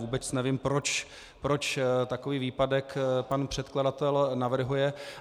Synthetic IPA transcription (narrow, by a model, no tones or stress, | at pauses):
vuːbɛt͡snɛvimpɾot͡ʃ | pɾo̞t͡ʃt̪ako̞viːviːpadɛkpanpr̥ɛt̪kladat̪ɛlnavr̩ɦujɛ